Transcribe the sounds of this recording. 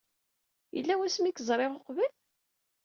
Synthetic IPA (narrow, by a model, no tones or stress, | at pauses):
jə̰lːæwæsmikəzˤɾˤeʁoqvəl